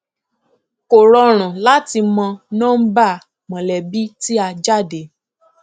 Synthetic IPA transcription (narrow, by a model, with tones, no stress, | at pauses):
ko˨ɾɔ˧ɾ̃ũ˨la˨˦ti˧mɔ̃˧nãː˦n̩˦ba˦˨ | mɔ̃˨lɛ˨bi˦ti˦a˧d͡ʒa˦˨de˨˦